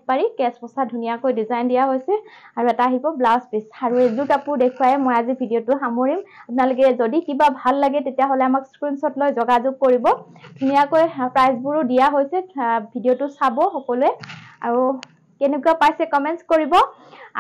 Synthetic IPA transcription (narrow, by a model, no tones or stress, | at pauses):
paɹikɛspɔsadʱunijakojdizajndijaɦojsɛ | aɹuɛtaːɦibɔblaspisaɹuezutapʊɹdekʰuwajɛmojazibʱidijotʊxamoɹimapʊnalʊk̬ɛzodikibabʱalːaɡɛtetijaɦolɛamakskɹinsɔtlojzɔɡazʊɡ̚koɹibɔ | dʱunijakojpɹajzbuɹʊdijaɦojsɛbʱidijotʊsabɔxɔkɔluɛa̰ɹu | kɛnɛkuapajsɛkɔmɛntskoɹibɔ